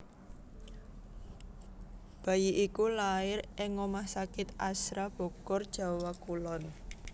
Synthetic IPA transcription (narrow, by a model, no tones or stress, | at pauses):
b̥a̤jiʔikulaɪrɛŋɔmahsakɪt̪ʔasɾab̥ɔ̤kɔrd̥ʒ̥a̤wakulɔn